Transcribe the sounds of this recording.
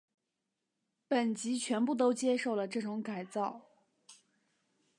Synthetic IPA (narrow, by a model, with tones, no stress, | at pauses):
pə˨˩nt͡ɕi˧˥t͡ɕʰɥɛ˧˥npu˥˩t̪o˥ʊt͡ɕjɛ˥ʂo˥˩ʊlə˩ʈ͡ʂɤ˥˩ʈ͡ʂʊ˧˥ŋka˨˩ɪt͡sɑ˥˩ʊ